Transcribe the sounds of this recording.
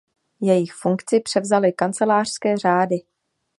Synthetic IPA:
jɛjɪxfuŋkt͡sɪpr̥ɛvzalɪkant͡sɛlaːr̥skɛːr̝aːdɪ

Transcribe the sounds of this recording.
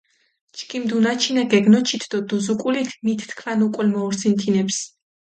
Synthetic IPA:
t͡ʃʰkʼimd̪unat͡ʃʰinaɡɛɡnɔt͡ʃʰit̪ʰd̪ɔd̪uzukʼulit̪ʰmit̪ʰt̪kʰlanukʼɛlmɔuɾt̪sʰint̪ʰinɛps

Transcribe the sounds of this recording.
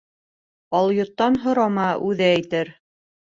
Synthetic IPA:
ɑlˠjŏt̪ːɑnɦŏɾɑmɑʔʉðæːjt̪ɘɾ

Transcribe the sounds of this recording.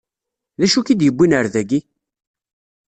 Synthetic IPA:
ðæʃukid̪jəbːinəɾðæɡi

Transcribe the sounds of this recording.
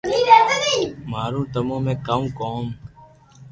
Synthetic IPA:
niːɾeːt̪əd̪iːmaːɾũːt̪əmõːmẽːkəmkoːm

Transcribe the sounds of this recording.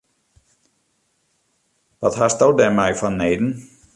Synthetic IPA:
ʋɔthasdowdɛmɛjfɔnːeːjdn̩

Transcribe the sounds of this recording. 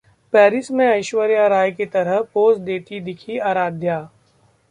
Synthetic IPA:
pɛːɾɪsmẽɐɪʃwəɾjaɾaːjket̪ɐɾəɦpoːsd̪eːt̪id̪ɪkʰiaːɾaːd̪ʱjaː

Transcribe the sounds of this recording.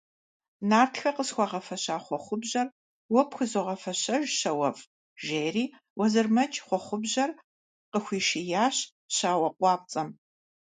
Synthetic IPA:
naːrtxɐqəsxʷɑʁɐfɐɕaːχʷɔχʷʊbʑɐr | wɔpxʷɨzoʁɐfɐɕɐʒɕɐwɐfʼ | ʒeːriː | wɐzɨrmɐt͡ʃʼχʷɔχʷʊbʑɐr | qəxʷiːʃɪjaːɕ | ɕaːwɐqʷʼɑːp̚t͡sʼɐm

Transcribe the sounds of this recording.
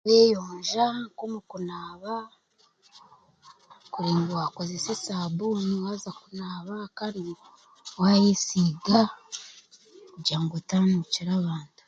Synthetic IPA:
βeːjoːɲʒaŋkomukunaːβa | kuɾeːŋɡiwakozese̞saːbuːniwazakunaːβakani | wajesiːɡa | ɟaːŋɡotaːnuciɾaβaːntu̥

